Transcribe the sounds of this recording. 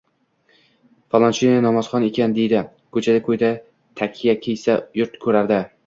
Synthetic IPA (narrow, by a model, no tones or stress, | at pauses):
falˠɒnt͡ʃinanɒmaz̥χɒne̞kʲand̪e̞jd̪ɪ | kʰɵt͡ʃʰad̪akʰɵjd̪a | t̪ʰakʲʰijakʲʰejsajʊɾt̪kʰɵɾaɾd̪ɪ